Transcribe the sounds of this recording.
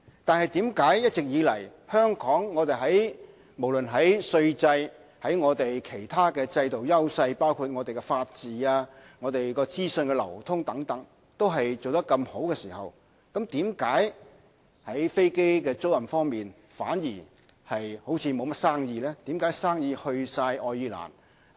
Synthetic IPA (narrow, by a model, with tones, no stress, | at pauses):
t̪aː˨nhɐ˨jt̪iː˨˥mkaː˨˥jjɐ˥t̚t͡sɪ˨k̚jiː˨˧lɐ̰˨˩jhœː˥ŋkɔː˨˥ŋːɔː˨˧t̪e˨jɦɐ˨˥j | mo˨˩wlɵ˨˩nɦɐ˨˥jsɵ˧ɥt͡sɐ˧j | hɐ˨˥jŋɔː˨˧t̪e˨jkʰe˨˩jt̪ʰaː˥kɛː˧t͡sɐ˧jt̪o˨wjɐ˥wsɐ˧jpaː˥wkʰuː˧t̚ŋɔː˨˧t̪e˨jkɛː˧faː˧t̚t͡siː˨aː˧ŋɔː˨˧t̪e˨jkɔː˧t͡siː˥sɵ˧nkɛ˧lɐ̰˨˩wt̪ʰʊ˥ŋt̪ɐ˨˥ŋt̪ɐ˨˥ŋ | t̪o˥wɦɐ˨jt͡so˨wt̪ɐ˥kːɐ˧mho˨˥wkɛː˧siː˨˩hɐ̰˨˩w | kɐ˨˥mt̪iː˨˥mkaː˨˥j | hɐ˨˥jfe˥jke˥jkɛː˧t͡so˥wjɐ˨˩mfɔː˥ŋmiː˨˩n | fa̰ː˨˥njiː˨˩ | hɐ˨jho˨˥wt͡sʰiː˨˧mo˨˧wmɐ˥t̚saː˥ŋjiː˧lɛː˥t̪i˨˥mkaː˨˥jsaː˥ŋjiː˧hɵ˧ɥsaː˧jɔː˨˧jiː˧la̰ː˨˩n